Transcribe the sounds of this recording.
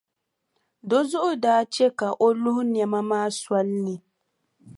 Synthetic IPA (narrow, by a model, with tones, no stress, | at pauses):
dɔ˦zʊ˦ʔʊ˨daː˦t͡ʃe˦ka˨ʔo˦lʊ˦hʊ˦n˨ɛ˨ma˦maː˦swa˦lni˨